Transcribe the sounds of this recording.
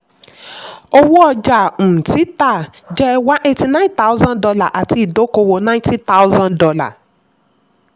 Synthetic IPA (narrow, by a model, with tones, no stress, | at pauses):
o˧wɔ˦ɔ˧d͡ʒã˨ti˨˦ta˦˨d͡ʒɛ˦˧wa˦ʔe˧ti˧nã˦ta˦u˦zã˦dɔ˧la˦˨ʔa˨ti˧i˨do˨˦ko˧wo˨nã˦ĩ˦ti˦ta˦u˦zã˦ndɔ˧la̰˦˨